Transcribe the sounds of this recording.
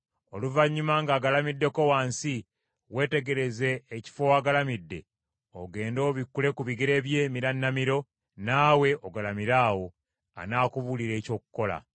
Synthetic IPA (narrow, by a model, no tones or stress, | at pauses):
oluvaɲːumaŋɡaːɡalamidːe̞ko̞waːnsi | we̞ːte̞ɡe̞ɾe̞ze̞ːci̥fo̞waːɡalamidːe̞ | oɡe̞ːndo̞ːβikːule̞kuβiɡiɾe̞ːβje̞ːmiɾanːamiɾo̞ | naːwe̞ʔoɡalamiɾaːwo̞ | a̰naːkuβuliɾe̞ːco̞ːku̥ko̞la̰